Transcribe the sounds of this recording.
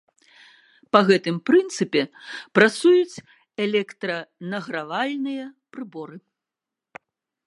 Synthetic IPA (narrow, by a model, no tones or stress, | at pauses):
pɐɣɛt̪ɨmpɾɨnt̪sɨpʲɛpɾat̪sujut͡sʲ | ɛlʲɛkt̪ɾɐnɐɣɾavalʲnɨjɐpɾɨbɔɾɨ